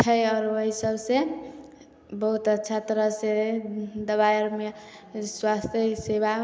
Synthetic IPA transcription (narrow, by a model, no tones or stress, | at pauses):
t͡ʃʰəjɔːɾoɦisəbse | bəɦut̪ətːʃʰat̪ɾəsed̪əβaɾme | swast̪jəseba